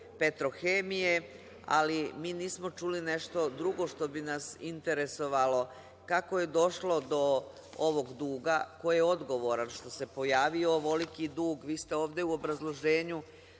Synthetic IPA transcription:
pet̪ɾo̞xeːmije̞ | a̰limiːniːsmo̞t͡ʃulineʃt̪o̞d̪ɾuɡo̞ʃt̪o̞binasint̪e̞ɾe̞so̞ʋalo̞ | kako̞je̞d̪o̞ʃlo̞d̪o̞ | oʋo̞ɡd̪uːɡako̞jjeo̞d̪ɡo̞ʋo̞ɾanʃt̪o̞se̞po̞jaːʋio̞ʋo̞likid̪uːɡʋiːst̪eo̞ːʋd̪e̞uobɾazlˠo̞ʒeːɲu

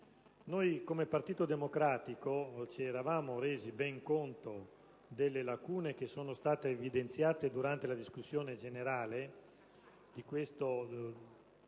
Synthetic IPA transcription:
nojkomepart̪iːt̪od̪emokɾaːt̪ikot͡ʃɛɾavaːmoɾeːzibɛŋkont̪o | d̪elːelakuːnek̟esːoːnost̪aːt̪eːvid̪ent̪sjaːt̪ed̪uɾant̪elad̪iskusːjoːned͡ʒeneɾaːle | d̪ikwest̪o

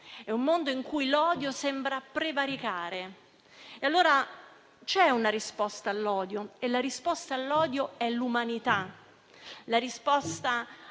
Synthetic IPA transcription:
ɛumːond̪oiŋkujlɔːd̪josɛmbɾapɾevaɾikaːɾe | ealːoːɾa | t͡ʃɛunaɾispɔst̪aːlːɔːd̪joelːaɾispɔst̪aːlːɔːd̪joɛlumanit̪a | laɾispɔst̪a

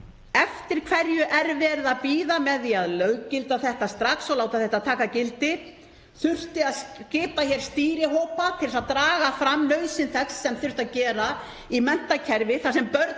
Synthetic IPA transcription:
ɛft̪ɪɾ̥kʰvɛɾjʏʔɛɾvɛːɾðapiːðamɛðiaðlœɥcɪlt̪aθɛht̪ast̪ɾaksɔlaːwt̪aθɛht̪aðt̪ʰaːkacɪlt̪ɪ | θʏr̥t̪ɪaðscɪːpaçɛɾ̥st̪iːɾɪɦoːwpakʰɛɾɪsaðt̪ɾaːɣafɾamːlœɥsɪnθɛkssːɛmθʏr̥t̪aðcɛːɾa | imɛn̥t̪acʰɛɾvɪθasɛmpœɾt̪

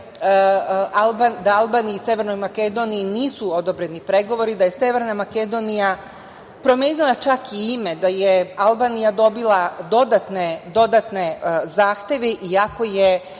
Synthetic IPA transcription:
albad̪aalˠbaːniiːsje̞ʋe̞ɾno̞jmake̞d̪o̞nijːniːsuo̞d̪o̞bɾe̞nipɾe̞ɡo̞ʋo̞ɾid̪aje̞sje̞ʋe̞ɾnamake̞d̪o̞nija | pɾo̞mje̞ːnilˠat͡ʃakiime̞d̪ajealˠbaːnijad̪o̞bilˠad̪o̞d̪at̪ned̪o̞d̪at̪ne̞zaːxt̪je̞ʋeʔiako̞je

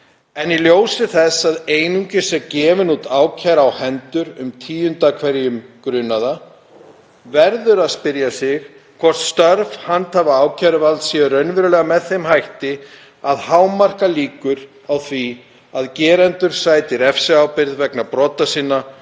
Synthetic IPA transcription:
ɛniljoːwsɪθɛsaðeːjnuɲcɪsɛcɛːvɪnut̪aːwcʰaɾawhɛnt̪ʏɾʏmt̪ʰiːjʏnt̪akʰvɛɾjʏmkɾʏnːaða | vɛɾðʏɾaðspɪɾjasɪx | kʰvɔr̥t̪st̪œɾv̥hant̪havaaːwcʰaɾʏvalt̪sjɛɾœɥnvɾlɛːɣamɛðθejmhajht̪ɪ | aðhawmar̥kaliːkʏɾ | awθvi | aðcɛːɾɛnt̪ʏɾ̥saːjt̪ɪɾɛfsɪaːwpɪɾðvɛknapɾɔːt̪asiːnːa

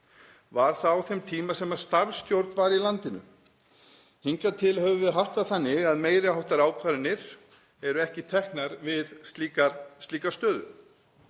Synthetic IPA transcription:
vaɾ̥θaawθɛmt̪ʰiːmasɛmḁst̪aɾvsc̪jowɾt̪nvaɾilant̪ɪnʏ̰ | hiŋkat̪ʰɪlhœvʏvɪðɦar̥t̪aðθanːɪɣaðmeːjɾɪɦawht̪aɾaːwkʰvaɾɪnɪɾ̥ | ɛɾʏɛhcɪt̪ʰɛhknaɾvɪðst̪liːkast̪iːkast̪œːðʏ̰

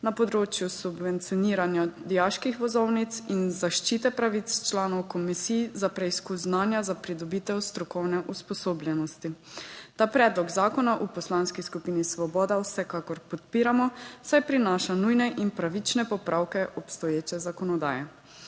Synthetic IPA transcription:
napɔd̪ɾoːt͡ʃjusubʋɛnt̪sijɔniːɾanjad̪ijaʃkixʋɔzɔwnit̪sinzaʃt͡ʃit̪ɛpɾaʋit̪st͡ʃlaːnɔwkɔmisiːjzapɾɛiskuznaːnjazapɾid̪ɔbiːt̪ɛwst̪ɾɔkɔwnɛʔuspɔsoːbljɛnɔst̪it̪aːpɾɛːd̪lɔɡzaːkɔnaʔupɔslaːnskiskupinisʋɔbɔːd̪awsɛkakɔɾpɔt̪̚piːɾamɔsajpɾinaːʃanujnɛʔinpɾaʋit͡ʃnɛpɔpɾʔawkɛʔɔpst̪ɔjeːt͡ʃɛzakɔnɔd̪aːjɛ

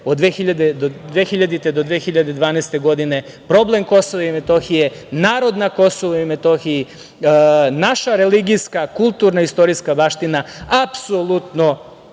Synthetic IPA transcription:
od̪ʋexiʎad̪ed̪od̪ʋexiʎad̪it̪ed̪o̞d̪ʋeːxiʎad̪e̞d̪ʋaːneːst̪eɡo̞d̪ine̞ | pɾo̞ble̞mko̞soʋaimet̪o̞xijenaːɾo̞d̪nako̞soʋoimet̪o̞xii | naʃaɾe̞liɡijskakulˠt̪uːɾnaist̪o̞ɾiskabaʃt̪inaapsolˠut̪no̞

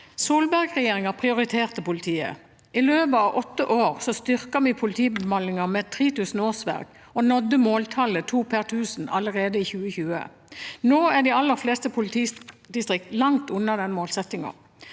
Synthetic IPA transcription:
soːlbæʁɡʁɛjeːʁɪŋɑpʰʁɪʊʁɪt̪ʰeːʁt̪əpʊlɪt̪ʰiːə̰ | ʔɪløːʋəɑʋʔɔt̪ːəʔoːʁsɔst̪ʏʁkɑmɪpʰʊlɪt̪ʰiːbəmɑnɪŋɑmɛt̪ʰʁiːt̪ʉːsn̩oːsʋæ̰ʁɡ̥ | ɔnɔd̪ːəmoːlt̪ʰɑlət̪ʰuːpʰæʁt̪ʰʉːsn̩ɑləʁeːd̪əiːçʉːəçʉːə̰ | noːæʁɖ̪iɑlːəʁfleːst̪əpʰʊlɪt̪ʰiːd̪ɪst̪ʁɪkt̪lɑŋt̪ʉnːɑd̪ɛnmoːlsɛt̪ɪŋɑ̰

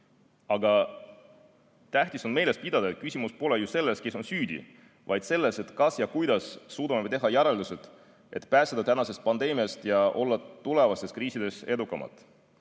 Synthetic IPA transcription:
ɑɡɑ | t̪æht̪iso̞nme̞jle̞spid̪ɑd̪ɑet̪̚kysʲimuspo̞lejuse̞lːe̞ske̞so̞nsyːd̪ḭ | vɑ̰jd̪̥se̞lːe̞se̞t̪kɑsjɑkujd̪̥ɑsːuːd̪̥ɑmeet̪e̞ɦɑjæɾeld̪uset̪ | ʔe̞̰t̪pæːsed̪ɑt̪ænɑse̞st̪̚pɑnd̪̥e̞ːmiɑst̪jɑʔo̞lːɑt̪ule̞vɑst̪e̞skriːsid̪e̞se̞d̪ukːˑɑmʔɑ̰t̪ˑ

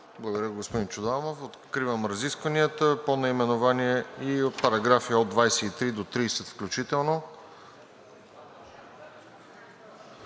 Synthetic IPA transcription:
blˠɐɡod̪ɾiɡospod̪int͡ʃʊd̪amofot̪kɾivəmɾəziskvəniət̪əponɐimɛnovaniɛiot̪̚pɐɾɐɡɾafiod̪vajsɛit̪ɾid̪ot̪ɾiːsɛt̪fklʲut͡ʃit̪ɛlˠno

